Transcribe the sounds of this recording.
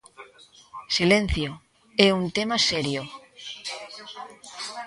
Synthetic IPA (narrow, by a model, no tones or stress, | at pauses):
silẽn̟θjo | eunt̪emaseɾjo